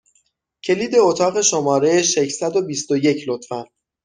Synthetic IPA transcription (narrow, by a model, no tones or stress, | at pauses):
cʰe̞liːd̪e̞ot̪ʰɒːɣe̞ʃomɒːɾe̞jeʃeçsæd̪o̞bist̪oje̞cʰlot̪fæn